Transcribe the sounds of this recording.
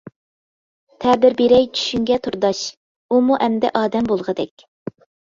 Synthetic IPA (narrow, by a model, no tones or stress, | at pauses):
t̪ʰɛːbɪɾbeɾɛjt͡ʃʰy̥ʃyŋɡʲɛt̪ʰuɾd̪ɑʃ | umuʔɛmd̪ɛ̰ʔɑːd̪ɛmbolˠʁəd̪ɛkʲ